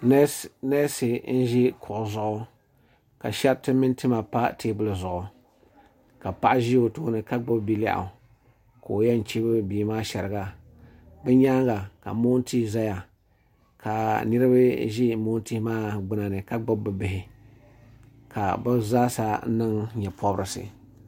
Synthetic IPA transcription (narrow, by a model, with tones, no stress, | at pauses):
nɛ˦si˨n̩˦ʒi˦kʰʊ˨ʔʊ˨zʊ˨ʔʊ˦ | ka̰˨ʃɛ˦btɨ˦mɨ˦n˦tɨ˦ma˨pa˦tʰeː˦bʊ˨lɨ˨zʊ˨ʔʊ˨ | ka˨pa˦ʔa˦ʒi˦o˨tuː˦nɨ˨ka˦ɡ͡bʊ˦bbi˦la̰˦ʔa̰˨ | koː˨jɛ˦n̩˨t͡ʃe˦bɨ˦biː˨maː˦ʃɛ˨ɾɨ˨ɡa˨ | bɛ˦ɲa˦ŋɡa˨ka̰˨mo˦n˦ti˦za˦ja˨ | kʰa˨nɨ˦ɾɨ˦ba˦ʒi˦moː˦n˦ti˦hmaː˦ɡ͡bɨ˦na˨nɨ˨ka˦ɡ͡bʊ˦bbɨ˨bɪ˨hɪ˨ | ka˨bɨ˦zaː˦sa˦nɨ˦ŋɲɛ˨pɔ˦bɾɨ˨sɨ̰˨